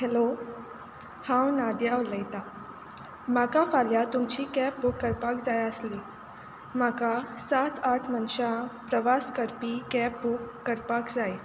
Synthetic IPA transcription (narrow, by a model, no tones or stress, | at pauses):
helo | hãwnad̪jawləjt̪a | makafaljat̪umt͡ɕiːkɛp̚bukːəɾpakd͡zajəsli | makasat̪ʰaʈʰmənɕãpɾəʋaskəɾpikɛp̚bukːəɾpakd͡zaj